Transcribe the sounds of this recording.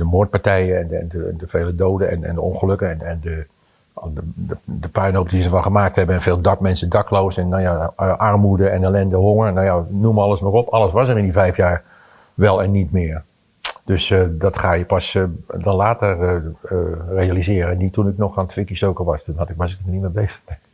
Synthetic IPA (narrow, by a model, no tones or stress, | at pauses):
d̥əmoːt̚paɹtɛjəɛnɛ̰ndədəveːlədoːdəɛ̰nɛ̰ndəonχəløkəɛnɛndə | əədəpœɥnop̚dizəəfɑnˠχəmaːk̚thɛbənɛnfeːlˠdɑpmɛnsədɑkloːsɛnːɔjaʔɑrmudəɛnelɛndəɦoŋərnawjanuməɑləsmɔrɔpʰɑlˠəsʋɑsərɪndivɛjfjaːɹ | ʋɛlˠɛnːitmɪːər | d̥øsdɔtχaːjəpɑsdɔnlaːtər | rejalizɪːɾəɛnditunɪknɔxantʰʋɪkisoːkəʋɑstunhɑtɪk̚basətəməniməbeːstəɛŋk